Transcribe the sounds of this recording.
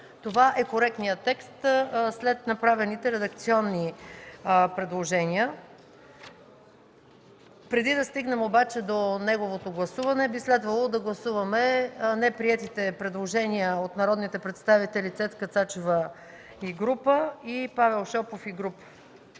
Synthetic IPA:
t̪ovaʔɛkoɾɛk̚t̪nijət̪ːɛkst̪slɛt̪nɐpɾavɛnit̪ɛɾɛd̪ɐkt̪siɔnːi | pɾɛd̪lˠoʒɛniə | pɾɛd̪id̪ɐst̪iɡnɛmobat͡ʃɛd̪onɛɡovot̪oɡlˠɐsuvɐnɛbislɛd̪vɐlˠod̪ɐɡlˠɐsuvɐmɛnɛpɾiɛt̪it̪ɛpɾɛd̪lˠoʒɛniəot̪nɐɾɔd̪nit̪ɛpɾɛt̪st̪avit̪ɛlit̪sɛt̪kət̪sat͡ʃovə | iɡɾupəipavɛlˠʃɔpofiɡɾup

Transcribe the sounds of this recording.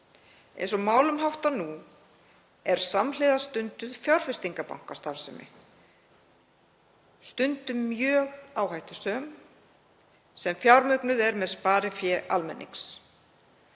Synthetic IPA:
ḛjnsɔmaːwlʏmɦawht̪anu | ɛɾ̥samleːðast̪ʏnt̪ʏð̥fjawɾ̥fɪst̪iŋkapa̰wŋ̥kast̪afsɛmɪ̰ | st̪ʏnt̪ʏːjœːɣaːwhajht̪ɪ̥sœːm | sɛmfjawɾmœknʏðɛɾmɛðspaːɾɪfjɛʔa̰lmɛ̰nːḭŋks

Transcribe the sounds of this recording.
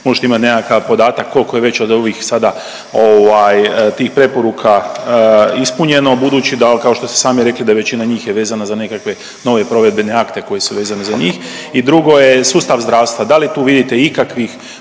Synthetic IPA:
mo̞ʒe̥t̪eimat̪nekakapo̞d̪aːt̪akʰːo̞lkojeʋe̞t͡ɕod̪o̞ʋiːxsad̪a | o̞ʋajt̪iːxpɾe̞po̞ɾuːkʰa | ispuɲe̞no̞bud̪uːt͡ɕid̪alkao̞ʃt̪o̞st̪e̥saːmiɾe̞klid̪aʋe̞t͡ɕinaɲiːxjeʋeːzanazanekakʋe̞ | no̞ʋe̞pɾo̞ʋe̞d̪be̞ne̞akt̪e̞ko̞je̞suʋeːzanezaɲiːx | id̪ɾuɡo̞jesuːst̪aʋzd̪ɾaːʋst̪ʋad̪alit̪uːʋid̪it̪e̞ikakʋix

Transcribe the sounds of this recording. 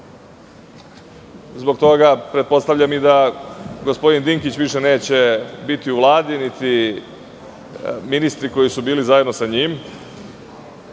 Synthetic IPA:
zbo̞k̚t̪o̞ɡapɾe̞t̪̚po̞st̪aʋʎʲamid̪aɡo̞spo̞d̪ind̪iŋkit͡ɕʋiʃe̞ne̞ːt͡ɕe̞bit̪iuʋlˠaːd̪init̪i | minist̪ɾiko̞jisubiːlizajed̪no̞saɲim

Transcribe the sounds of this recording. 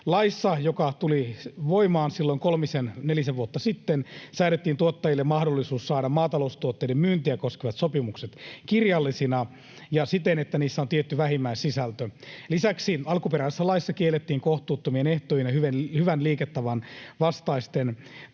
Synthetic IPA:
lɑisːɑjokɑt̪uliʋoimɑːnsilːoiŋkolmisenneliseʋʋuot̪ːɑsit̪ːensæːɾet̪ːiːnt̪uot̪ːɑjilːemmɑhdolːisuːssɑːɾɑmmɑːt̪ɑloust̪uot̪ːeidemmyːnt̪iækoskeʋɑt̪sopimukset̪kirjɑlːisinɑ | jɑsit̪enet̪ːæniːsːæont̪iet̪ːyʋæhimːæissisælt̪ølisæksiɑlkupeɾæːsesːælɑisːɑkielet̪ːiːŋkoht̪uːt̪ːomieneht̪ojinɑhyenhyʋænliːket̪ːæʋɑnʋɑst̪ɑist̪en

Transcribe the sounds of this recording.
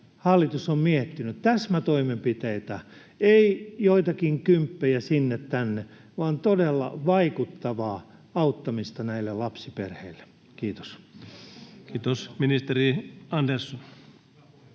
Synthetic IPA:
hɑlːit̪usommiet̪ːinyt̪t̪æsmæt̪oimempit̪eit̪æ | eijoit̪ɑkiŋkympːejæsinːet̪t̪ænːe | ʋɑːnt̪odelːɑ̰ʋɑikut̪ːɑʋɑː | ɑut̪ːɑmist̪ɑnæilːellɑpsiperheilːe̥ | kiːt̪o̥s | kiːt̪osminist̪eɾiɑndersːon

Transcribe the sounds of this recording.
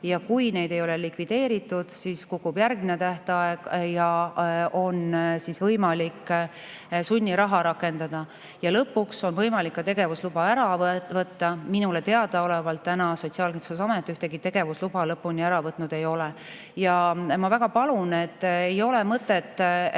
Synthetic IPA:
jɑkujne̞jd̪̥e̞jo̞lɛ̞likvid̪̥e̞ːɾit̪ːˑud̪̥siskukːˑubjærɡminet̪æht̪eɑeɡ̥jɑ | o̞nsisvɤjmɑlikː | sunʲːiɾɑɦɑɾɑkˑːe̞nd̪̥ɑd̪̥ɑ | jɑlɤpːukso̞nvɤjmɑlikːɑt̪e̞ɡe̞vuslub̥ɑæɾɑvɤt̪ːɑminulet̪e̞ɑd̪̥ɑo̞levɑlt̪ːænɑso̞t̪siɑːlkinsusɑmet̪ːˑyht̪e̞ɡit̪e̞ɡ̥e̞vuslub̥ɑlɤpːunʲiæɾɑvɤt̪ːˑnud̪̥e̞jo̞lɛ | jɑmɑvæɡ̥ɑpɑlune̞t̪ːejo̞le̞mɤt̪ːˑe̞t̪ˑː

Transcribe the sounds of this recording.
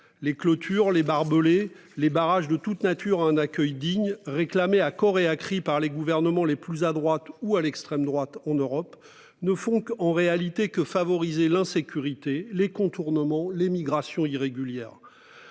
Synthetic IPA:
leklɔt̪ʰyʁlebaʁbəle | lebaʁaʒd̪ət̪ut̪nat̪ʰyʁaɛ̃nakʲœjd̪iɲʁeklameakɔʁeakχipaʁleɡuvɛʁnəmɑ̃leplyzad̪ʁwat̪ualɛkst̪χɛmd̪ʁwat̪ɑ̃nøʁɔp | nəfɔ̃kɑ̃ʁealit̪ekəfavɔʁizelɛ̃sekʲyʁit̪elekɔ̃t̪uʁnəmɑ̃lemiɡʁasjɔ̃iʁeɡʲyljɛːʁ

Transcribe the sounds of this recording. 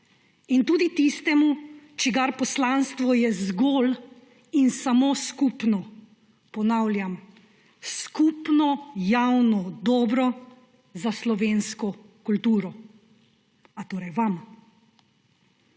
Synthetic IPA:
int̪uːd̪it̪ist̪ɛmut͡ʃɛɡaɾpɔslanst̪ʋɔjɛzɡoːl | insamoːskupnɔ | pɔnaːwljam | skupnɔjawnɔd̪ɔːbɾɔ | zaslɔʋeːnskɔ | kult̪uːɾɔ | at̪oːɾajʋam

